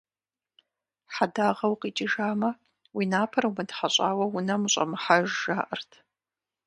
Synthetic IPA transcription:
ħadaːʁɐwqiːt͡ʃʼɪʒaːmɐ | winaːpʰɐɾɐwmɨdħaɕʼaːwɐwʊnɐmɨɕʼɐ̰mɨħaʒːaːʔɐrtʰ

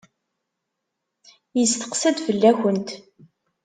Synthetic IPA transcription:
jəst̪ə̥qsæd̪fəlːæçʷənt̪

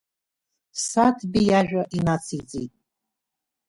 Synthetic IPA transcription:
satʰbijaʒᶣʷaʔinat͡sʰid͡zḭːtʼ

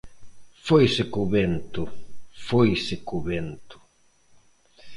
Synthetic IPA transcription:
fojsɪkuβent̪ʊfojsɪkuβent̪ʊ̥

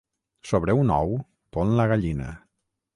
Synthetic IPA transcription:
soβ̞ɾeunɔ̰w | t̪onlaɣaʎinə̰

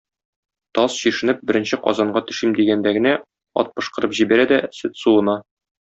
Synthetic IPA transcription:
t̪ɒsɕiʃɘ̆nɘp̚bɘ̆ɾɘ̆nɕɘqɒ̰zɑɴɢɑt̪ɵ̆ʃimd̪iɡænd̪æɡɘ̆næ | ɒ̰t̪̚pɤ̆ʃqɤ̆ɾɤpʑibæɾæd̪æsɵt̪suɤ̆nɑ

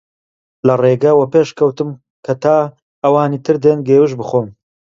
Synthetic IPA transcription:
lɐreːɡɐwɐpeːʃkʰɐwt̪ɨm | kʰɐt̪ʰaː | ɐwaːniːt̪ʰɨɾd̪eːnɡeːwɨʃbɨχoːn

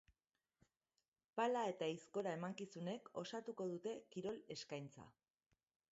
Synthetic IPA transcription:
palae̞t̪aisko̞ɾae̞maŋkisune̞ko̞sat̪uko̞ð̞ut̪e̞kiɾo̞le̞skajnt͡sa̰

